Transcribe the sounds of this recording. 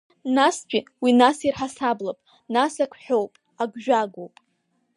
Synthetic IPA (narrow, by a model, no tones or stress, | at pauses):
nastʰʲʷᶣʼiwinasirħasablapʼ | nasakʷʰħʷᶣowpʼ | aɡʷʒᶣaɡowpʼ